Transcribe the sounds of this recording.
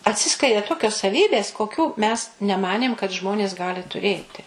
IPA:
ɐtʲˈsʲɪsklʲɛɪdʲeː ˈtoːkʲoːs sɐˈʋʲiːbʲeːs koːˈkʲuː mʲɛs nʲɛˈmɑːnʲeːm kɐt ˈʒmoːnʲeːs ˈɡɑːlʲɪ tʊˈrʲeːtʲɪ

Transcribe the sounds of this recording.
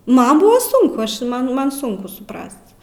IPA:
ˈmɐn ˈbʊʋɐ ˈsʊŋkʊ ˈɐʃ ˈmɐn ˈmɐn ˈsʊŋkʊ sʊˈprɐst

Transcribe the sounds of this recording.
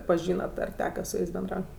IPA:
pɐˈʒʲiːnɐt ɐr ˈtʲæːkɐ sʊ ˈjɛɪs bʲɛnˈdrɐʊtʲ

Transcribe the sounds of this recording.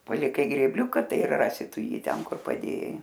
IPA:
pɐlʲɪˈkɐɪ ɡrʲeːbʲˈlʲʊkɐ ˈtɐɪ ɪr ˈrɑːsʲɪ ˈtʊ ˈjiː ˈtʲɛn ˈkʊr pɐˈdʲeːjɛɪ

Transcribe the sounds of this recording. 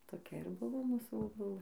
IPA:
toːˈkʲɛ ɪr ˈbʊʋoː ˈmuːsuː boːˈbʊlˠɘ

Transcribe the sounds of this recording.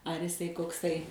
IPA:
ɐr ɪˈsɐɪ koːkˈsɐɪ

